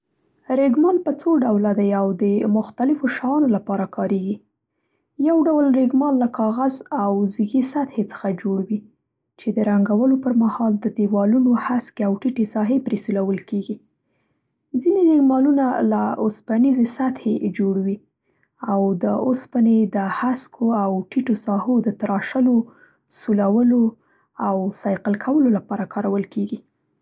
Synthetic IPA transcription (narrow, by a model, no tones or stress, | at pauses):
ɾeɡmɑlpət͡soɖawlad̪ajawd̪əmʊxt̪alɪfoʃaɑnolapɑɾakɑɾeɡi | jawɖawlɾeɡmɑlːakɑɣazawziɡesat̪het͡sə̥xad͡ʒoɽwi | t͡ʃed̪əɾaŋɡawəlopəɾmahɑld̪əd̪ewɑlunohaskeawʈiʈesɑɦepɾesulawəlkeɡi | zinelɪɡmɑlunalaʊspanizesat̪hed͡ʒoɽwi | awd̪əʊspaned̪əhaskʰoawʈiʈosɑhod̪ət̪aɾɑʃəlo | sulawəlo | awsɑjqəlkʰawəlolapɑɾakʰɑɾawəlkeɡi